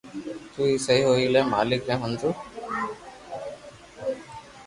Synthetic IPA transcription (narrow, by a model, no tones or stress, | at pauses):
t̪uːiːsəɦiːɦoːiːlẽːma̰ːlɪk̚ɾẽːɦənd͡ʒuː